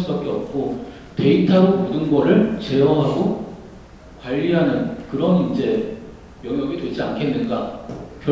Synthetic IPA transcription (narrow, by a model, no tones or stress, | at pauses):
ɯbʌp̚k͈eʌ̰p̚k͈o | te̞itʰaɾomodɯnɡʌɾɯɭt͡ɕe̞ʌɦaɡo | kwaʎːiɦanɯnkɯɾʌnind͡ʑe̞ | jʌŋjʌɡitwed͡ʑia̰nkʰe̞nːɯnɡakjʌ